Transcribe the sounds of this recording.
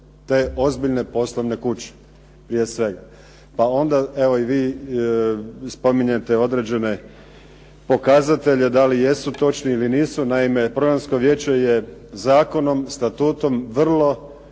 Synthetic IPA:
t̪e̞ːo̞zbiʎne̞po̞slˠoʋne̞kut͡ɕe̥ | pɾije̞sʋe̞ɡa | pao̞nd̪ae̞ʋo̞iʋiː | spo̞miɲe̞t̪e̞o̞d̪ɾe̞d͡ʑe̞ne̞ | po̞kazat̪e̞ʎe̞d̪alije̞sut̪o̞t͡ʃniiliniːsunaime̞pɾo̞ɡɾanskoʋje̞ːt͡ɕe̞je̞zaːko̞no̞mst̪at̪uːt̪o̞mʋr̩lˠo̞

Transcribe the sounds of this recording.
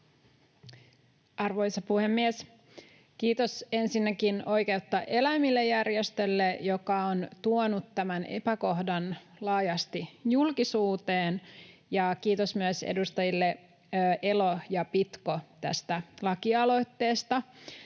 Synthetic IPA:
ɑrʋo̞jsɑpuhe̞mːies | k̟iːt̪o̞se̞nsinːækino̞jke̞ut̪ːɑʔelæmilːejærjest̪ø̞lːejokɑont̪uonut̪tæmænʔe̞̰pæko̞hdɑn | lɑːjɑst̪ijulkisuːt̪eːnjɑkiːt̪o̞smyəsḛdust̪ɑjilːe | ʔe̞lo̞jɑpit̪kot̪æ̰st̪ælɑkiɑlo̞jt̪ːe̞ːst̪ɑ

